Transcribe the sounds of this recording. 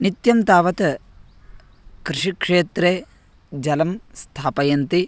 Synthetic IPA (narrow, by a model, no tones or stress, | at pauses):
nit̪jɐmt̪aːʋɐt̪ɐ | kɾɪʂikʂeːt̪ɾeː | d͡ʒɐlɐmst̪ʰaːpɐjɐnt̪i